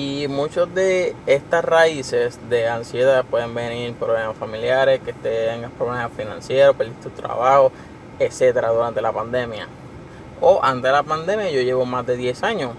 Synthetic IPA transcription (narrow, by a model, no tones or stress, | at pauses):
imũt͡ʃozd̪e̞est̪asraise̞sd̪e̞ansje̞ðapwe̞ðe̞mbe̞niɾpɾoβlemasfamiljaɾeskest̪et̪eŋɡapɾoβlemaafinã̰nsje̞ɾopeld̪it̪ut̪ɾa̰βaho | ese̞t̪eɾaðuɾant̪e̞lapand̪e̞mja̰ | oʔant̪e̞lapand̪e̞mjaʝo̞ʝeβo̞mazd̪e̞ðje̞saɲo